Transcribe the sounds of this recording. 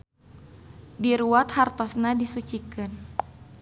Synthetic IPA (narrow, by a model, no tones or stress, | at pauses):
diɾuwat̪hart̪ɔsnadisut͡ʃikɨn